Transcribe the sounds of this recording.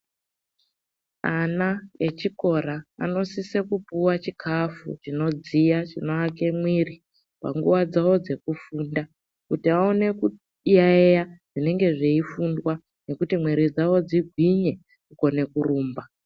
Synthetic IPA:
anae̞t͡ʃiko̞ɾa̰ːno̞sise̞kupuwat͡ʃikʰafṵt͡ʃino̞d͡zijat͡ʃino̞ake̞mwiri | pa̰ŋɡuʋad͡zawo̞d͡ze̞kufuːnda | kutiaone̞ku | jaejaʐ̥ine̞ŋɡe̞ʐeifundwa | ne̞kutimwiɾid͡zawo̞d͡ziɡʱwiɲe̞ | kuko̞ne̞kuruːmba

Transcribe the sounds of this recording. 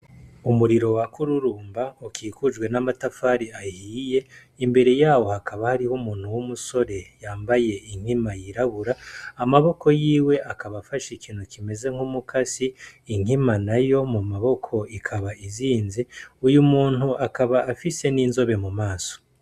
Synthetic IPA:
umuɾiɾo̞wakuɾuɾuːmbaukiːkud͡ʒɡwe̞namatafaːɾiahiːje̞ | imbe̞ɾe̞jaːwo̞hakaβahaɾihomuːn̥huwumuso̞ɾe̞jaːmbaje̞iŋ̥himajiɾaβuɾaːmaβo̞ko̞jiːwe̞ʔakaβafaʃikiːnukime̞ze̞ŋ̥humukʰasiːŋ̥imanajo̞mumaβo̞kʰo̞ikʰaβaiziːnziujumuːn̥huʔakaβaːfise̞niːnzo̞βe̞mumaːso̥

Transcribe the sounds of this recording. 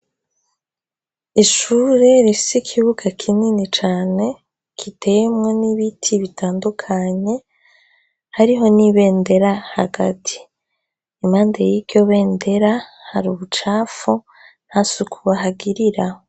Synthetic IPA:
iʃuːɾe̞ɾifi̥sikʰiβuɡakʰininit͡ʃaːne̞ | kʰitʰe̞jemŋoniβitʰiβitʰaːndukʰaɲe̞ | haɾiɦo̞niβe̞ːnde̞ɾahaɡatʰi̥ | imaːndejiɡɡjo̞βe̞ːnde̞ɾahaɾuβut͡ʃaːfu | n̥hasukʰuβaɦaɡiɾiɾaho

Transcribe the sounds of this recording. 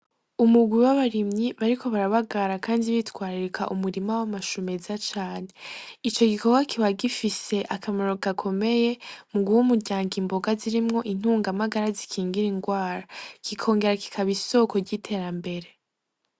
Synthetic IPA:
umuɡwiwaβaɾimɲiβaɾiko̞βaɾaβaɡaɾakaːndiβitkwaːɾiɾekʰa̰ʔumuɾimawamaʃumezat͡ʃaːneit͡ʃo̞ɡikʰo̞ɡwakiβaɡifise̞ʔakʰamaɾo̞kakʰo̞me̞je̞muɡuwumuɾɟaːŋɡimbo̞ɡaziɾimŋo̞ʔin̥huːŋɡamaɡaɾazikʰiːŋɡiɾiŋɡwaːɾakikʰo̞ːŋɡe̞ɾaki̥kʰaβiso̞ko̞ɾɟitʰe̞ːɾambe̞ɾe̞

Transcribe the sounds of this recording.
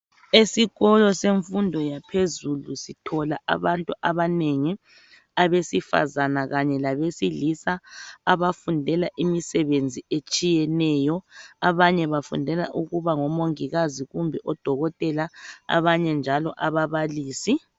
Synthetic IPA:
esiɣɔlɔseɱfundʱɔjapʰezulusitʰɔlaʔa̰βantʼuʔaβaneŋi | aβesifa̰zanaɣaɲɛlaβesilisaaβafundʱɛlaʔimisɛβend͡zʱiet͡ʃʼijɛnɛjɔaβaɲɛβafṵndʱɛla̰ʔuɣuβaŋɔmoŋiɣaziɣumbʱɛʔɔd̥ʱɔɣɔtʼɛlaa̰βaɲɛnd͡ʒʱalɔʔaβaβaliːsi

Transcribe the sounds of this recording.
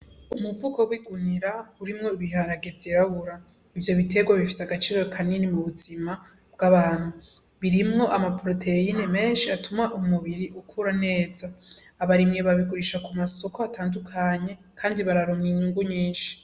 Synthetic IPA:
umuvukowiɡuniɾauɾimŋo̞iβiɦaɾaɡe̞vjiɾaɡuɾa | ivjo̞βite̞ɡwaβifi̥seaɡat͡ʃiːɾo̞kʰaninimuβuzima | b̚ɡaβaːn̥hu | βiɾimŋo̞ʔamapɾo̞tʰe̞ineme̞ːnʃiatumaʔumuβiɾiʔukʰuːɾane̞ːzaːβaɾimŋeβaβiɡuɾiʃakumaso̞koatʰaːndukʰaɲe̞ | kʰaːndiβaɾaɾomŋinuːŋɡuɲiːnʃi̥

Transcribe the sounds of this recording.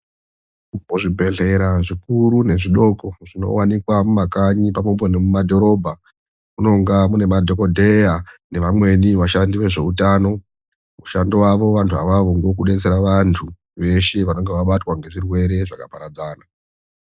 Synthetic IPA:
moʐibʱe̞ɮe̞ɾaʐikuɾune̞ʐiɗo̞koʐ̥ino̰wanikwamumakaɲipamombonemumadʱo̞ɾo̞ːbʱa | muno̞ŋɡamune̞madʱo̞ko̞dʱe̞jane̞ʋamwe̞niʋaʃandiwe̞ʐe̞utaːno̞ | muʃandiwaʋo̞ʋantʰua̰ʋaʋoŋɡo̞kuɗe̞t͡seɾaʋantʰu | ʋe̞ʃe̞ʋano̞ŋɡeʋaɓatwaŋɡe̞ʐirwe̞ɾe̞ʐakapaɾad͡zaːna

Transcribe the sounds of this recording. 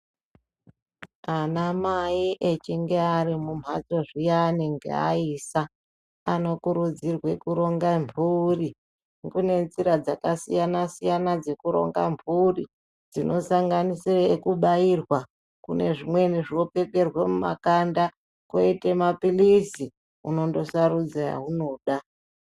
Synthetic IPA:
anamaiʔet͡ʃiŋɡearimum̤ʱad͡zo̞ʐijaniŋɡḛa̰iːsa | ano̞kuɾud͡zirwekuɾo̞ŋɡamburi | ɡune̞nziɾad͡zakasijanasijanad͡ze̞kuɾo̞̰ŋɡa̰mburi | d͡zino̞saŋɡanisiraekuɓairwa | kune̞̰ʐimwe̞niʐio̞pe̞ke̞rwemuma̰kanda | koitemapilisi | uno̞ndo̞sarud͡zaja̰ɦuno̞ɗa

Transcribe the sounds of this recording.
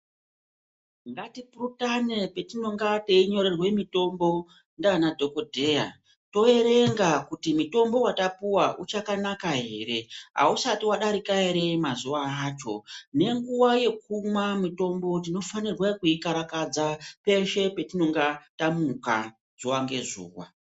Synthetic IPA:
ŋɡatipurutane̞pe̞tino̞ŋɡate̞iɲo̞ɾe̞rwe̞mito̞mbo̞ | ndanadʱo̞ko̞dʱe̞ja̰ | to̞e̞ɾe̞ŋɡakutimito̞mbo̞watapuwaʔut͡ʃakanakaɦe̞̰ɾe̞ɦa̰usatiwaɗaɾikaeɾe̞mazuwaːt͡ʃo̞̰ne̞ŋɡuwaje̞k̚umwamito̞mbo̞t̬ino̞fanirwekuikaɾakad͡zape̞ʃe̞pe̞tino̞ŋɡatamuka̰ | z̥uwaŋɡe̞̰zṵːwa̰

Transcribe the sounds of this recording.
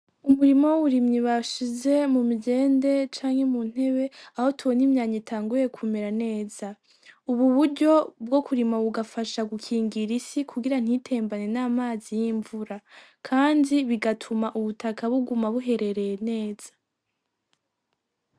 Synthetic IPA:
uβuɾimo̞wuβuɾimɲiβaʃize̞mumiɟe̞ːnde̞t͡ʃaːŋhe̞mun̥he̞βe̞aho̞tuβo̞nimɲaːɲitʰaːŋɡuje̞kʰume̞ɾane̞ːz̥a | uβuβuɾɟo̞bɡo̞kuɾimaβuɡafaʃaɡukʰiːŋɡiɾisikʰuɡiɾan̥hitʰe̞ːmbane̞naːmaːzijiːɱvuɾa | kʰaːndiβiɡatʰumaʔuβutʰakʰaβuɡumaβuɦe̞ɾe̞ɾe̞jene̞ːz̥ḁ

